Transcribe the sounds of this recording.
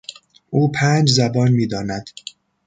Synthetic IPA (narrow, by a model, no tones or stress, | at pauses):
ʔuːpʰæːnd͡ʒzæbɒːnmiːd̪ɒːnæd̪̥